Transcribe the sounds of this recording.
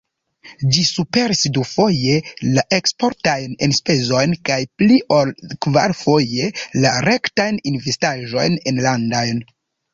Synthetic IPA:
d͡ʒisupe̞ɾisdufo̞je̞laʔe̞kspo̞ɾtajnenspe̞zo̞jnkajpliʔolkvaɾfo̞je̞laɾe̞ktajninvestaʒo̞̰jne̞nlandojn

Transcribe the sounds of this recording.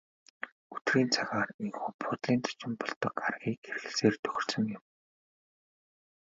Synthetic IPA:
ɵt̪riːnt͡sʰaɣaːriŋxuːpʰʊt̪ɮiːnt͡sḁt͡ɕɪ̆mpɔɮt̪ɞ̆ka̰rɣʲiːkxeɾɘ̆xɘ̆ɮseːrt̪ʰɵ̥x̆ʲrsə̆ŋjɪ̆m

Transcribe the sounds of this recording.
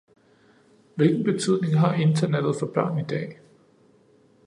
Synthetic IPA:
ʋe̝lɡ̥n̩b̥e̝t͡sʰyð̰ˠne̝ŋɦɑ̈e̝nd̥ɐned̥ð̩ˠfɒ̽b̥ɶ̰ːnid̥ɛ̰ː

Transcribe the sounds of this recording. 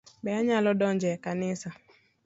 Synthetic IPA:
bɛaɲalɔdɔɲd͡ʒɛkanɪsa

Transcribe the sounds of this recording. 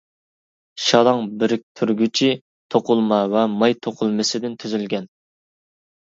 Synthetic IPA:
ʃɑd̪ˠɑŋbɾɪk̚ʲt̪ʰyɾɡʲyt͡ʃʰi | t̪ʰoqʰʊlˠmɑwɛmɑjt̪ʰoqʰʊlˠmɪsɪd̪ɪnt̪ʰyzylɡʲɛn

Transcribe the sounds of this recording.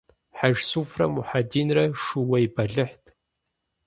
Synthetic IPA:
ħaʒsuːfrɐmʊħadiːnrɐʂuwɐjbɐɮɨħtʰʼ

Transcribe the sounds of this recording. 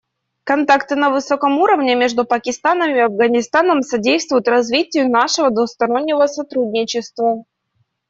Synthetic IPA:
kɐnt̪akt̪ɨnəvɨso̞kəmuɾəvnʲɪmʲe̞ʐd̪ʊpəkʲɪst̪anəmɪɐvɡənʲɪst̪anəmsɐdʲejst̪vʊjʊt̪rɐzvʲitʲɪjʊnaʂɨvəd̪vʊst̪ɐɾo̞nʲːɪvəsɐt̪ɾudʲnʲɪt͡ɕɪst̪və

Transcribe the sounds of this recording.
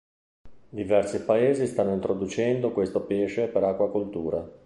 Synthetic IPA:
d̪ivɛrsipaeːzist̪anːoint̪ɾod̪ut͡ʃɛnd̪okwest̪opeːʃepeɾakːwakolt̪uːɾa

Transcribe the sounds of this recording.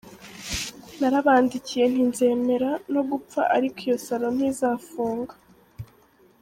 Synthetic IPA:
naɾaβaːndicije̞n̥inze̞ːme̞ɾano̞ɡup͡fa̰ʔaɾikijo̞saɾo̞n̥hizaːfuːŋɡḁ

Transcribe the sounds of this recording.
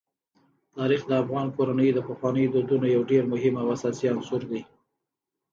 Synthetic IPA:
t̪ɑɾixd̪əafɣɑnkoɾanəjd̪əpəxwɑnəjod̪od̪unojawɖeɾmʊɦɪmawasɑsiansʊɾd̪aj

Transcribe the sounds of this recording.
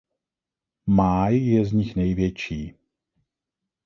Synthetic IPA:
maːjjɛzɲɪxnɛjvjɛt͡ʃiː

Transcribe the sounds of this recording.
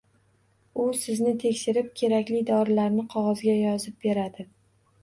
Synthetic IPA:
ʊsɪznɪt̪ʰe̞kʲʃɪɾɪp̚kʲʰe̞ɾakʲlɪd̪ɒɾɪlaɾnɪqʰɒʁɒzɡʲajɒzɪp̚be̞ɾad̪ɪ

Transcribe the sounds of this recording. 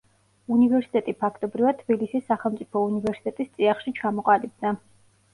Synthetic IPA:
univɛɾsi̥t̪ʼɛt̪ʼipʰakʰt̪ʼɔbɾivad̪̚t̪ʰbilisisːaχɛlˠmt̪sʼipʰɔunivɛɾsi̥t̪ʼɛt̪ʼist̪sʼiaχʃit͡ʃʰamɔqʼalib̚d̪a

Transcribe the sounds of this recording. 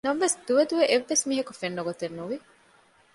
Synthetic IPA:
nɐmʋesd̪uʋɐd̪uʋeʔeʋːesmiːɦɐkufenːoɡot̪enːuʋi

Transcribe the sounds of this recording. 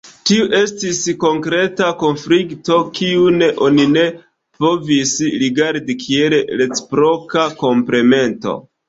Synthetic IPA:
tiuʔe̞stisko̞ŋkɾe̞tako̞nflikto̞kiuneʔo̞nine̞ | po̞visɾiɡaɾdikʰie̞llet͡spɾo̞kako̞mple̞me̞nto̞̰

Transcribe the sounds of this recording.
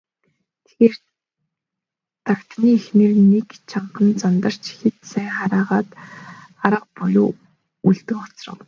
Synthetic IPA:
t̪ʰeɣeːr | t̪akt̪niːxnĕrnekt͡ɕʰaɴɢə̆nt͡sɔnt̪ə̆r̥t͡ɕxet̪sæːŋχaɾaːʁaːt̪ | aɾə̆q̚pɔɮʊ̰ː | uɮt̪ɘ̆ŋɔt͡srə̰̆w

